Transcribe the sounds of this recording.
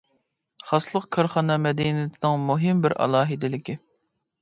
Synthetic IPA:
χɑslˠəqkʲʰɑɾχɑnɑmɛd̪inɪt̪ʰɪnɪŋmuɦɪmbɪɾʔɑ̰lˠɑːɦɨd̪ɪlɪkʲi

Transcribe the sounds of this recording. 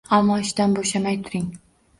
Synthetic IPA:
amːɒɪʃd̪anboʃlamajt̪ʰʊɾɪŋ

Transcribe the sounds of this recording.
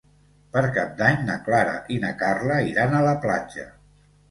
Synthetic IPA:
pəɾkap̚d̪aɲnəklaɾə̰ʔinəkarləiɾanələpla̰d͡ʒə̰

